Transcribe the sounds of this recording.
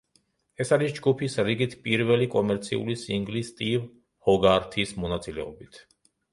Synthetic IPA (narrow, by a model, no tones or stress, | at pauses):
ɛsaɾisd͡ʒɡupʰisɾiɡit̪ʰpʼiɾvɛlikʼɔmɛɾt̪sʰḭṵlisiŋɡlist̪ʼiv | hɔɡaɾt̪ʰismɔnat̪sʼilɛ̰ɔbit̪ʰ